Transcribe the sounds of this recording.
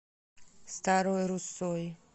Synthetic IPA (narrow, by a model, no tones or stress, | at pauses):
st̪aɾojɾusːoj